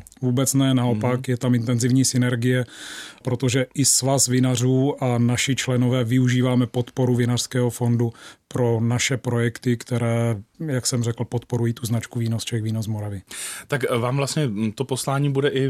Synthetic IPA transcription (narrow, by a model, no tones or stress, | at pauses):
vuːbɛt͡snɛnaopakjɛt̪amɪnt̪ɛnzɪvɲiːsɪnɛɾɡɪjɛpɾo̞t̪o̞ʒɛʔɪsvasvɪnar̝uːʔanaʃɪt͡ʃlɛno̞vɛːvɪuʒiːvaːmɛpo̞t̪po̞ɾuvɪnar̥skɛːɦofo̞ndupɾo̞naʃɛpɾo̞jɛkt̪ɪkt̪ɛɾɛːjaksɛmrɛkl̩po̞t̪po̞ɾujiːt̪uznat͡ʃkuviːnost͡ʃɛxviːnozmo̞ɾavɪt̪akvaːmvlast̪ɲɛt̪oposlaːɲiːbudɛʔɪ